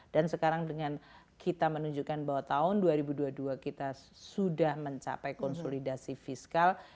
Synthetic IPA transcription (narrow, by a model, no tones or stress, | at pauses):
d̥ansəkaɾaŋdəŋan | kʰit̪amənuɲd͡ʒukanbaɦwat̪aʊnduaɾibuduaduakit̪a | sudahməɲt͡ʃa̰pɛjkɔnsolidasifiskal